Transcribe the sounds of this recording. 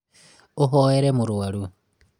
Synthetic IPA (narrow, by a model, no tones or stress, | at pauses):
oɦoeɾemuɾuwalu